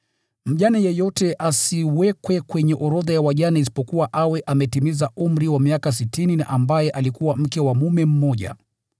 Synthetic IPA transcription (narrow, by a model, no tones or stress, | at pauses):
m̩ʄanajɛjɔtɛʔasiwɛkwɛkwɛɲɛʔɔɾɔðajawaʄanais̬i̥pɔkuwaʔawɛʔamɛtimizaum̩ɾiwamiakas̬itinina̰ʔambajɛʔalikuwam̩kɛwamumɛm̩mɔʄa̰